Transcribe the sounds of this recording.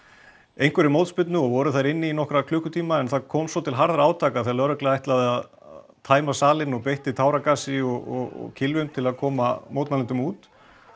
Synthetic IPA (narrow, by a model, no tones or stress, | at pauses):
ejŋkvɛɾɪmowt̪spʏt̪nʏɔɣvɔɾʏθaɾɪnːɪinɔhkɾakʰlʏːkʏt̪ʰiːmaɛnθaðkʰoːwmsvɔt̪ʰɪlɦaɾðaɾaːwt̪ʰaːkaθalœɾœklɛaajht̪laðɪað | t̪ʰaːjmasaːlɪnɔɣpejht̪ɪt̪ʰawɾakaːsɪɔɣɔ̰ɣɔ̰cʰɪlvʏmt̪ʰɪlaðkʰɔːmamowt̪nalɪnt̪ʏmuːt̪